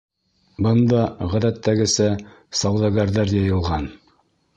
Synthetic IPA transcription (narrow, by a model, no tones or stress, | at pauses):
bɤ̆nd̪ɑʁæðæt̪ːæɡɘ̆sæ | sɑwd̪ɑɡɑɾðɑɾjɑjɤ̆lˠʁɑn